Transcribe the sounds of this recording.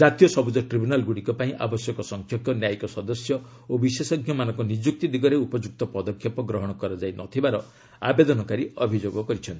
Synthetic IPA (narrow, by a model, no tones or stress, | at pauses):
d͡ʒat̪ijɔsɔbud͡ʒɔʈɾibunalɡuɽikɔpaĩʔa̰bɔsjɔkɔsɔŋkʰjɔk̚tɔnjajkɔsɔd̪ɔsjɔ | obisesɔɡʰʱjɔmanɔ̃ŋkɔnid͡ʒuk̚t̪id̪iɡɔɾeupɔd͡ʒuk̚t̪ɔpɔd̪ɔkʰːjɔpɔɡɾɔɦɔɽ̃ɔkɔɾɔd͡ʒajnʔɔt̪ʰibaɾɔ | a̰bed̪ɔnɔkaɾiɔbʱid͡ʒoɡɔkɔɾit͡ʃʰɔnt̪i